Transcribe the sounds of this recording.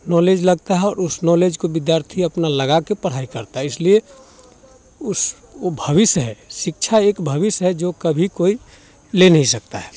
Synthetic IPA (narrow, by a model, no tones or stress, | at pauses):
nɔːled͡ʒləɡt̪aɦɛɔːɾʊsnɔːleːd͡ʒkobɪd̪jaːɾt̪ʰiɐpnaləɡakepəɽ̤aːikɐɾt̪aɦɛɪslie | ʊs | obʱɐʋɪsɦɛsɪk̚t͡ʃʰaeːkbʱəʋɪsɦɛd͡ʒokəbʱikoːi | lenɐɦĩsɐk̚t̪a̰ɦɛː